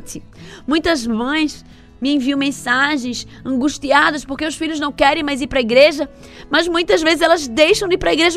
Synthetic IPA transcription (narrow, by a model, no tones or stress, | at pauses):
t̪ɪmũj̃t̪ɐzmɐ̃j̃s | mɪẽviɐ̃w̃mẽsaʒẽj̃s | ɐ̃ŋɡuʃt̪iad̪ɐspoɾkeʊsfiʎʊznɐ̃w̃kɛɾẽj̃majziɾpɾɐiɡɾeʒɐ | mɐzmũj̃t̪ɐzvezɪzɛlɐzd̪ejʃɐ̃w̃d̪ipɾɐiɡɾeʒɐ